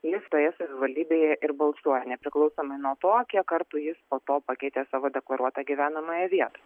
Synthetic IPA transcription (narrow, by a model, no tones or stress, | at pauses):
jɪst̪oːjɛsɐʋʲɪʋɐlʲd̪ʲiːbʲeːjɛʔɪɾbɐlˠsuɔjɛnʲɛpʲɾʲɪklˠɐʊsoːmɐɪnuɔt̪oːkʲiɛkkɐɾt̪uːjɪspoːt̪oːpɐkʲɛɪt̪ʲeːsɑːʋoːd̪ʲɛklˠɐɾuɔt̪ɑːɡʲiʋʲæːnɐmɑːjɛʋʲiɛt̪ɐ